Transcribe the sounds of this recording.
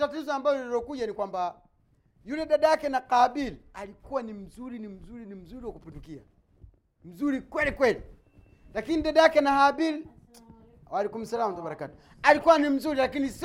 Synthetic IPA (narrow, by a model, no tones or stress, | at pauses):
tatuzɔambajɔɛɾɔkuɟanikwamba | julɛɗadajakɛnaqabilalikuwanim̩zuɾinim̩zuɾinim̩zuɾiwakupindukia̰ | m̩zuɾikwɛlikwɛli | lakiniɗadajakɛnahabil | walɛkum̩salamtabaɾakatu̥ | alikuwanim̩zuɾilakinis